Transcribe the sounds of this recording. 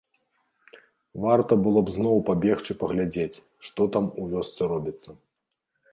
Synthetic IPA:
vart̪ɐbɨlˠɔbznɔwpabʲɛxt͡ʂɨpɐɣlʲad͡zʲet͡sʲ | ʂt̪ɔt̪amuvʲɔst̪sɛɾɔbʲit̪sːɐ

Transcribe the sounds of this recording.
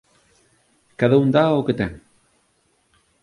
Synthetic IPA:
kaðauŋd̪aoket̪ɛŋ

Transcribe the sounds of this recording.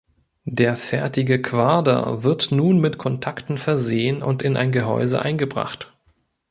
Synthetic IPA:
deːɐfɛɐtɪɡəkʰv̥aɐdɐ̰vɪɐtnuːnmɪtkʰɔntʰaktn̩fɛɐzeːənʊ̰ntɪnʔa̰ɪnɡəɦɔ̰ʏzə̰ʔa̰ɪnɡəbʁa̰χt

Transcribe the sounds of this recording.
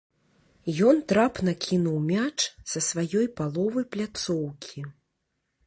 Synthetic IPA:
jɔnt̪ɾapnɐkʲʰinuwmʲat͡ʂsɐsvajɔjpalˠɔvɐjplʲat̪sɔwkʲʰi

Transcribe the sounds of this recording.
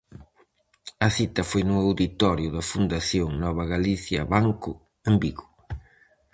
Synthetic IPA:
ɐθit̪ɐfojnʊawðit̪ɔɾjʊðɐfund̪aθjoŋnɔβɐɣaliθjɐ̰βaŋkʊ | embiɣʊ

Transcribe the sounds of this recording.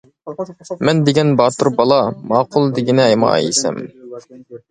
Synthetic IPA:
mɛnd̪eɡʲɛnbɑːt̪uɾbɑlˠɑmɑːqʰʊlˠd̪eɡʲinɪɛjmɑ̰ɑ̰jḭsɛ̰m

